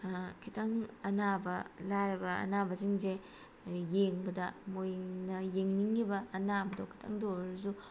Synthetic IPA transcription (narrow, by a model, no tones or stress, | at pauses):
kʰitʰaŋɐnabɐlaɾɐbɐɐ̰nabɐziŋze | jeŋbɐdɐmojnɐjeŋniŋːibɐːnabɐdokʰi̥tʰa̰ŋdoɾɐzu